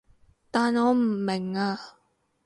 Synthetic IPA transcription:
t̪aː˨nɔː˨˧m̩˨˩mɪ˨˩ŋaː˧

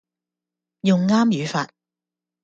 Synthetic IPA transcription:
jʊ˨ŋːaː˥mjyː˨˥faː˧t̚

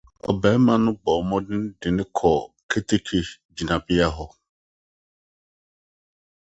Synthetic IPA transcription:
ɔ̰˨bɛ̃˨˦mã˨nʊ̃˦bɔ˨mɔ̃˦dɪ̃˦n˦dɪ̃˨nɪ̃˦kʰɔ˨ | kʰe˦tʰe˦kʰe˨ | d͡ʑi˨nã˨bɪ˦a˦ɦɔ˨

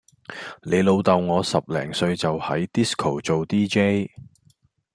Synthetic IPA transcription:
le˨˧jlo˨˧wt̪ɐ˨wŋɔː˨˧sɐ˨p̚lɛ̰ː˨˩ŋsɵ˧ɥt͡sɐ˨whɐ˨˥jt̪i˥skʰo˨˩wt͡so˨wt̪iː˥t͡ʃe˥j

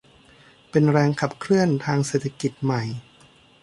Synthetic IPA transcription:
pe˧nɾɛː˧ŋkʰa˨˩p̚kʰɾɯ˥˩ənt̪ʰaː˧ŋseː˨˩t̪ʰːa˧ki˨˩t̪̚ma˨˩j

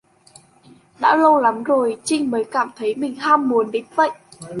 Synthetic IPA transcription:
ɗa̰ː˧˥lə˧wla˨˦mzo˨˩jt͡ɕï˧ŋ̟məː˨˦jkaː˧˩mt̪ʰə˨˦jmï˨˩ŋ̟haː˧mːu˨˦ənɗe˨˦tvə̰˧˨jʔ

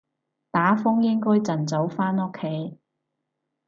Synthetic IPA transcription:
t̪aː˨˥fʊ˥ŋjɪ˥ŋkɔː˥jt͡sɐ˨˩nt͡so˨˥wfaː˥nʊ˥kʰːe˨˥j

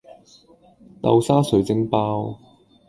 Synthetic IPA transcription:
t̪ɐ̰˧wsaː˥sɵ˨˥ɥt͡sɪ˥ŋpaː˥w

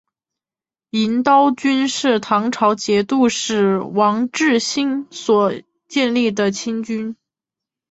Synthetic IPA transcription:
i˧˥nt̪ɑ˥ʊt͡ɕy˥nʂɻ̩˥˩t̪ʰɑ˧˥ŋʈ͡ʂʰɑ˧˥ʊt͡ɕjɛ˧˥t̪u˥˧ʂɻ̩˥˩wɑ˧˥ŋʈ͡ʂɻ̩˥˩ɕi˥nswɔ˨˩ | t͡ɕjɛ˥˧nli˥˩d̪ə˩t͡ɕʰi˥nt͡ɕy˥n

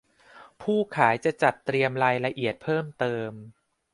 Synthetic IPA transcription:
pʰuː˥˩kʰaː˩˦jt͡ɕa˨˩t͡ɕa˨˩t̪ːɾi˧əmɾaː˧jɾa˧ʔi˨˩ət̪̚pʰɤː˥˩mt̪ɤː˧m

